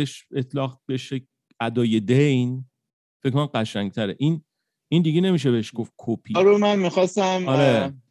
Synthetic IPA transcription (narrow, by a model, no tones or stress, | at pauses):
eʃet̪ʰlɒːɣbeʃe | æd̪ɒːje̞d̪ejn | feckʰkonæmɢæʃæŋ̚t̪ʰæɾeʔin | ind̪iɡe̞ne̞miʃ̬e̞beeʃɡofkʰopʰiɾomænmixɒst̪æmɒɾe